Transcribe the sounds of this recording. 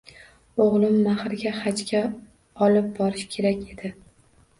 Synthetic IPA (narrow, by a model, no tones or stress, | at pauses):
oʁlˠɪmːaχɾɪɡʲaχat͡ʃkʲa | ɒlɪp̚bɒɾɪʃkʲʰe̞ɾakʲe̞d̪̥ɪ